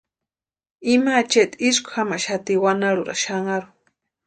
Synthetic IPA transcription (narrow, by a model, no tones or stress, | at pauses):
imaːt͡ʃeʔt̪isku̥hamaʔʃat̪iwanaɺuɾa̰ʃaŋaɾu